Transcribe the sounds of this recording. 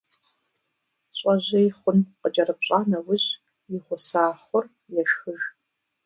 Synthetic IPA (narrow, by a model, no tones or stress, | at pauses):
ɕʼɐʑejχʷʊnqət͡ʃʼɐɾɨpɕʼaːnɐwʊʑ | jɪʁʷʊsaːχʷɔr | jɛʃxɨʒ